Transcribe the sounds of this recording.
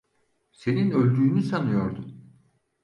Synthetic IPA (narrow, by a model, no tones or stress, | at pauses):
se̞ninø̞lʲd̪yːnysanɯjo̞ɾd̪um